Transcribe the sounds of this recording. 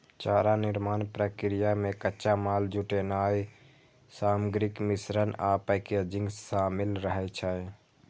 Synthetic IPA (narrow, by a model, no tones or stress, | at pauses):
t͡ʃaɾaniɾmanpɾəkɾijamekətːʃamald͡ʒuʈenaj | saməɡɾikmisɾənapəked͡ʒĩŋɡsamilɾəɦɛt͡ʃʰəj